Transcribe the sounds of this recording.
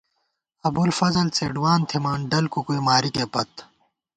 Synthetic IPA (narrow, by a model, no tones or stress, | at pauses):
ɐbulfɐzɐlt͡seːɖwaːnt̪ʰimaːnɖɐlkukuimaːɾikeːpɐt̪